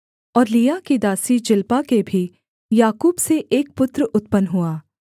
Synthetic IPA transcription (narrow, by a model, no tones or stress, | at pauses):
ɔːɾlijakid̪aːsid͡ʒɪlpakebʱi | jaːkuːbseʔeːk̚pʊt̪ɾʔʊt̪pənɦuaː